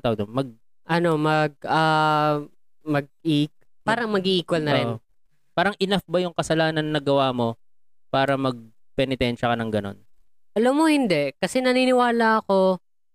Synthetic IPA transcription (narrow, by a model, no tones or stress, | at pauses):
t̪awɐɡ̚d̪onmɐɡ̚ | ʔɐno̞mɐɡ̚ɐ | mɐɡ̚ik | paːɾɐŋmɐɡiʔiːkwɐlnɐɾɛn | paːɾɐŋʔɪnafbɐjʊŋkɐsɐlaːnɐnːɐɡɐwaːmo̞ | paːɾɐmɐɡ̚ | pɛnɪt̪ɛnʃɐkɐnɐŋɡɐno̞̰n | ʔɐlɐmːohɪnd̪ɛʔkɐsɛnɐniːnɪwaːlɐʔɐko̞